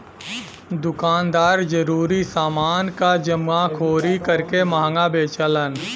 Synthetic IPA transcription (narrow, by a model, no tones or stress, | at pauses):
d̪ʊkaːnd̪aːɾd͡ʒəɾuːɾisaːmaːnkad͡ʒəmːakʰoːɾikəɾkemaɦŋɡabeːt͡ʃələn